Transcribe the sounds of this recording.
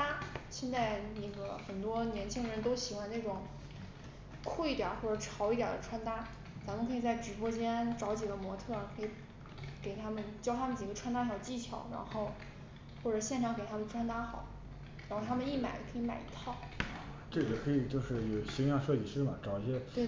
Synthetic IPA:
a˥ɕjɛ˥˧nt͡sa˥˧ɪna˥˩ɡə˩xə˨˩nt̪wɔ˥njɛ˧˥nt͡ɕʰi˥ŋd̪ə˨˩ɻə˧˥nt̪o˥ʊɕi˨˩xwa˧˥na˥˩ʈ͡ʂʊ˨˩˦ŋ | kʰu˥˧i˥˩t̪jɑ˨˩˦xwɔ˥˩ʈ͡ʂɤ˨˩ʈ͡ʂʰɑ˧˥ʊi˥˩t̪jd̪ə̰˧˦ʈ͡ʂʰwa˥nt̪a˥ | t͡sa˧˥mə˧nkʰɤ˧˥i˨˩t͡sa˥˩ɪʈ͡ʂɻ̩˧˥pwɔ˥t͡ɕjɛ˥nʈ͡ʂɑ˧˥ʊt͡ɕi˨˩ɡə˦mwɔ˧˥t̪ʰɤ˥˩kʰɤ˧˥i˨˧˩ | ke˨˩ɪt̪ʰa˥mə˨nt͡ɕjʊt̪ʰa˥mə˨nt͡ɕi˨˩ɡə˦ʈ͡ʂʰwa˥nt̪a˥˩jɑ˨˩ʊt͡ɕi˥˩t͡ɕʰjɑ̰˨˩˦ʊɻa̰˧˥nxo˥˧ʊ | xwɔ˥˩ʈ͡ʂɤ˨˩ɕjɛ˥˩nʈ͡ʂʰɑ˧˥ŋke˨˩ɪt̪ʰa˥mə˨ʈ͡ʂʰwa˥nt̪a˥xɑ˨˩˦ʊ | ɻa˧˥xo˥˧ʊt̪ʰa˥mə˨˧i˥˩ma˨˩ɪkʰɤ˧˥i˧˥ma̰˨˩ɪi˧˥t̪ʰɑ˥˩ʊ | ʈ͡ʂɤ˥˩ɡə˨˩kʰɤ˧˥i˨˩t͡ɕjo˥˧ʊʂɻ̩˥˩jo˨˩ʊɕi˧˥ŋjɑ˥˧ŋʂɤ˥˩li˥˩ʂɻ̩˥˩mɐ˨˩ʈ͡ʂɑ˨˩ʊi˥˩ɕ̬jɛ˥we˥˧

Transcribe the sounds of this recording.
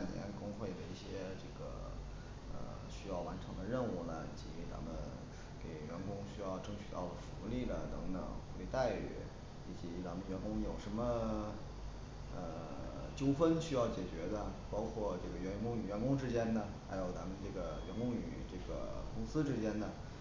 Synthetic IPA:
nnjɛ̰˧˥nkʊ˥ŋxwe˥˩ɪd̪ə˩i˥˩ɕjɛ˥ʈ͡ʂɤ˥˩ɡə̰˩ | ə̰˧˩ | ɕy˥jɑ˥˩ʊwa˧˥nʈ͡ʂʰɤ˧˥ŋd̪ə˧ɻə˥˧nu˥˩lə˩ḭ˨˩t͡ɕi˧˥t͡sa̰˧˥mə˧˦n | ke˨˩ɪɥɛ˧˥nkʊ˥ŋɕy˥jɑ˥˧ʊʈ͡ʂɤ˥ŋt͡ɕʰy˨˩t̪ɑ̰˥˩ʊd̪ə˩fu˧˥li˥˩lə˩t̪ɤ̰˧˥ŋt̪ɤ̰˨˩˦ŋfu˧˥li˧˩t̪a˥˩ɪy̰˨˧˥ | i˨˩t͡ɕi˧˥t͡sa˧˥mə˨˧ɥɛ˧˥nkʊ˥ŋjo˨˩ʊʂə˧˥nmə˧ | ə˧ | t͡ɕjo˥ʊfə˥nɕy˥jɑ˥˩ʊt͡ɕjɛ˨˩t͡ɕɥɛ˧˥d̪ə˧pɑ˥ʊkʰwɔ˥˩ʈ͡ʂɤ˥˩ɡə˩ɥɛ˧˥nkʊ˥ŋy˨˩ɥɛ˧˥nkʊ˥ŋʈ͡ʂɻ̩˥t͡ɕjɛ˥nnə˨xa˧˥ɪjo˨˩ʊt͡sa˧˥mə˧ʈ͡ʂɤ˥˩ɡə˩ɥɛ˧˥nkʊ˥ŋy̰˨˩ʈ͡ʂɤ˥˩ɡə̰˩kʊ˥ŋsɹ̩˥ʈ͡ʂɻ̩˥t͡ɕjɛ˥nnə˨

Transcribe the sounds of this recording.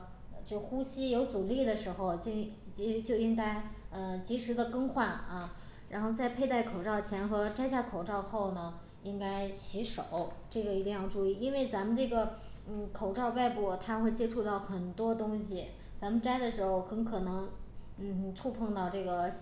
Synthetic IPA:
t͡ɕjo˥˩ʊxu˥ɕi˥jo˧˥ʊt͡su˨˩li˥˩d̪ə˩ʂɻ̩˧˥xo˧ʊt͡ɕo˥˧˩ | t͡ɕt͡ɕjo˥˧ʊi˥ŋka˥ɪə˧t͡ɕi˧˥ʂɻ̩˧˥d̪ə˧kɤ˥ŋxwa˥˩nɐ˧ | ɻa˧˥nxo˥˧t͡sa˥˧ɪpʰe˥˧ɪt̪a˥˩ɪkʰo˨˩ʊʈ͡ʂɑ˥˩ʊt͡ɕʰjɛ˧˥nxɤ˧˥ʈ͡ʂa˥ɪɕ̬ja˥˩kʰo˨˩ʊʈ͡ʂɑ˥˧ʊxo˥˩ʊnə˩ | i˥ŋka˥ɪɕi˧˥ʂo˨˩˦ʊʈ͡ʂɤ˥˩ɡə˩i˧˥i˥˧jɑ˥˧ŋʈ͡ʂu˥˧i˥˩i˥nwe˥˩ɪt͡sa˧˥mə˨nʈ͡ʂɤ˥˩ɡə˩ | n̩˥˩kʰo˨˩ʊʈ͡ʂɑ˥˧ʊwa˥˧ɪpu˥˩t̪ʰa˥xwe˥˧ɪt͡ɕjɛ˥ʈ͡ʂʰu˥˧t̪ɑ˥˩ʊxə˨˩nt̪wɔ˥t̪̬ʊ˥ŋɕi˨ | t͡sa˧˥mə˨nʈ͡ʂa˥ɪd̪ə˨ʂɻ̩˧˥xo˧ʊkə˧˥ŋkʰɤ˨˩nɤ˧˥ŋ | n̩˥˩ʈ͡ʂʰu˥˧pʰɤ˥˧ŋt̪ɑ˥˧ʊʈ͡ʂɤ˥˩ɡə˩

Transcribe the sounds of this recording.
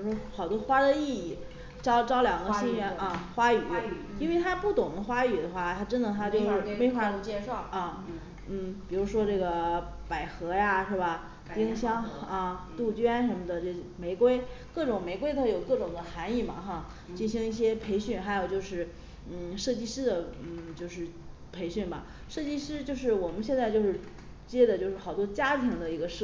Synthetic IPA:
ʂwɔ˥xɑ˨˩ʊt̪o˥ʊxwa˥d̪ə˨i˥˧i˥˩ | ʈ͡ʂɑ˥ʊʈ͡ʂɑ˥ʊljɑ˨˩ŋɡə˦˧˦ɕi˥nɥɛ˧˥nʔə˥˧˩xwa˥y˨˩˥ | i˥nwe˧ɪt̪ʰa˥pu˥˩t̪ʊ˨˩ŋd̪ə˦xwa˥y˨˩d̪ə˦xwa˥˩t̪ʰa˥ʈ͡ʂə˥nd̪ə˨t̪ʰa˥t͡ɕjo˥˧ʊʂɻ̩˥˩me˧˥ɪxwa˧˥˧ɛ˥˧ə˥˧˩ | n̩˥˩pi˨˩ɻu˧˥ʂwɔ˥ʈ͡ʂɤ˥˩ɡə˩ | pa˨˩ɪxɤ˧˥ja˧ʂɻ̩˥˩bɐ˩ | i˥ŋɕjɑ˥ŋɐ˧˩t̪u˥˧t͡ɕɥnʂə˧˥mə˧d̪ə˨ʈ͡ʂe˥˩˥me˧˥ɪkwe˥ɪkɤ˥˩ʈ͡ʂʊ˨˩ŋme˧˥ɪkwe˥ɪt̪ʰɤ˥˩jo˨˩ʊkɤ˥˩ʈ͡ʂʊ˨˩ŋd̪ə˦xa˧˥ni˥˩mɐ̰˩xa˥˧ | t͡ɕi˥˩nɕi˧˥ŋi˥˩ɕ̬jɛ˥pʰe˧˥ɪɕy˥˩nxa˧˥ɪjo˨˩ʊt͡ɕjo˥˧ʊʂɻ̩˥˩ | n̩˥˩ʂɤ˥˧t͡ɕi˥˧ʂɻ̩˥˩d̪ə˨˩n̩˥˩t͡ɕjo˥˧ʊʂɻ̩˥˩ | pʰe˧˥ɪɕy˥˩nbɐ̰˩ | ʂɤ˥˧t͡ɕi˥˧ʂɻ̩˥t͡ɕjo˥˧ʊʂ̬ɻ̩˥˩wɔ˨˩mə˦nɕjɛ˥˧nt͡sa˥˧ɪt͡ɕjo˥˧ʊʂɻ̩˥˩ | t͡ɕjɛ˥d̪ə˨t͡ɕjo˥˧ʊʂɻ̩˥˩ɑ˨˩ʊt̪wɔ˥t͡ɕja˥t̪ʰi˧˥ŋd̪ə˧˨i˧˥ɡə˧ʂ

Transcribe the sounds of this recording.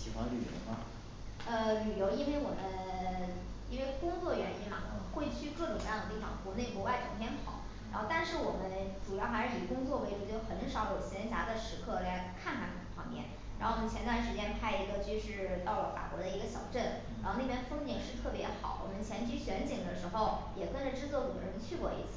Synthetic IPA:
ɕi˨˩xwa̰˥nly̰˨˩jo̰˧˥ʊmɐ˧˩ | ə˧ly˨˩jo˧˥ʊi˥nwe˥˩ɪwɔ˨˩mə˦n | i˥nwe˥˧ɪkʊ˥ŋt͡swɔ˥˩ɥɛ˧˥ni˥nma˨˩wɔ˨˩mə˦xwe˥˧ɪt͡ɕʰy˥˧kɤ˥˩ʈ͡ʂʊ˨˩ŋjɑ˥˩ŋd̪ə˧˩li˥˩fɑ̰˨˩ŋkwɔ˧˥ne˥˩ɪpwɔ˧˥wa˥˩ɪʈ͡ʂʰə˨˩p̪ʰjɛ˥npʰɑ̰˨˩˦ʊ | ɻa˧˥nxo˥˧ʊt̪a˥˧nʂɻ̩˥˩wɔ˨˩mə˦nʈ͡ʂu˨˩jɑ˥˩ʊxa˧˥ʂɻ̩˥˧˩i˨˩˥kʊ˥ŋt͡swɔ˥˩wɪʈ͡ʂu˧˥˩t͡ɕjo˥˩ʊxə˧˥nʂɑ˧˩˦ʊwɔ˨˩ɕɛ˥nt͡ɕja̰˧˥d̪ə˧ʂɻ̩˧˥kʰɤ˥˩la˧˥ɪkʰa˥˧nkʰa˥˩n˨˩˧fɑ̰˥ŋmjɛ̰˥˩n | a̰˧˥xwɔ˨˩ə˧nt͡ɕʰjɛ˧˥nt̪wa˥˩nʂɻ̩˧˥t͡ɕjɛ˥npʰa˥˩ɪi˧˥ɡə˧t͡ɕʰy˥ʂɻ̩˥˩t̪ɑ˥˩ʊlə̰˩fa̰˨˩kwɔ˧˥d̪ə˧i˧˥ɡə˧ɕjɑ̰˨˩ʊʈ͡ʂə˥˩n | a˧˥o˥˧na˥˩pjɛ˥nfɤ˥ŋt̪i˧˩ŋʂɻ̩˥˧t̪ʰɤ˥˩pjɛ̰˧˥xɑ˨˩˦wʔɔ̰˨˩mə˦nt͡ɕʰjɛ˧˥nt͡ɕʰy˥ɕɥɛ˧˥nt͡ɕi˨˩ŋd̪ə˦ʂɻ̩˧˥xo˥˧ʊjɛ˨˩kə˥nʈ͡ʂə˨˩ʈ͡ʂɻ̩˥t͡swɔ˥˩wə˨˩m˧˥ɻə˧˥nt͡ɕʰy˥˧kwɔ̰˥˩ḭ˧˥t͡sʰɹ̩˥˩

